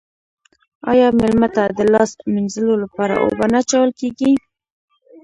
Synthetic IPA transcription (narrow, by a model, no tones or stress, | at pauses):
ɑ̰jɑmelmət̪ad̪əlɑsminzəlolapɑɾa̰ʔo̰banat͡ʃawəlkeɡi